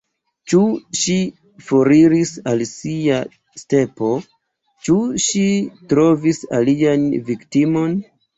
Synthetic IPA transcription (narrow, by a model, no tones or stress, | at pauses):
t͡ʃuʃi | foɾiɾisalsia | ste̞po̞ | t͡ʃuʃitɾo̞visa̰lianviktimo̞n